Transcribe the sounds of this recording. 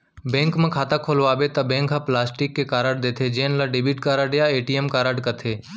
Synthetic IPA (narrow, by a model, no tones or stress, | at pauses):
bɛ̃ːŋkmẽkʰaːt̪akʰoːlʋaːbet̪ɐbẽːŋkʰãplaːsʈɪkːekaːɾəɖ̚d̪eːt̪ʰed͡ʒeːnlaɖɪbiːʈkaːɾəɖjaeːʈiemkaːɾəɖkət̪ʰeː